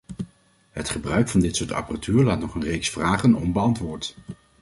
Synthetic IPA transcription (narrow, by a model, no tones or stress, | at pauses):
ɦətχəbrœɥkfɑndɪtsʊːtɑ̰pəratʰyːɹlaːtnɔχənrejksfraːχənɔ̰mbəɑntʋʊːɹt